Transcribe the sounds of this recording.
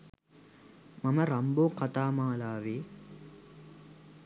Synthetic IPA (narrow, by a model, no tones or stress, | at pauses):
maməɾamboːkat̪aːmaːlaːʋeː